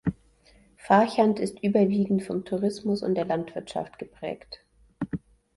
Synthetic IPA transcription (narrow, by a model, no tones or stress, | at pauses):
faɐçantɪstʔyːbɐviːɡŋ̩tfɔmtʰuʁɪsmʊsʊ̰nt̚d̥eːɐlantv̥ɪɐtʃa̰ftɡ̥əpʁ̥ɛ̰ːkt